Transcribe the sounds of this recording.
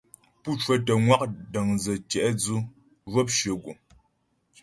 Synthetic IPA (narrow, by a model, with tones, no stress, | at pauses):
pu˦˨t͡ʃwə˦tə˨ŋwa˦k̚də˨ŋzə˨t͡ʃɛ˨ʔd͡zu˦ | vwɔ˦p̚ʃɥə˨ɡu˨